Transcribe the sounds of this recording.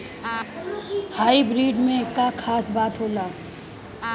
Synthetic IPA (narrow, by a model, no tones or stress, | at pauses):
haːibɾiːɖmẽkːakʰaːsbaːt̪ɦoːlaː